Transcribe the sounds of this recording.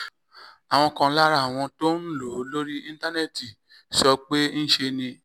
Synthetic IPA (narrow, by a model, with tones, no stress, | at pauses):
a˨w̃ɔ̃˧kã˧˦la˦ɾa˦˨w̃ɔ̃˧to˦n̩˦lo˨˦lo˦ɾi˦ĩ˧n˦ta˦nɛ˦˨ti˨ | sɔ˧k͡pe˦n̩˦ʃe˧nĩ˧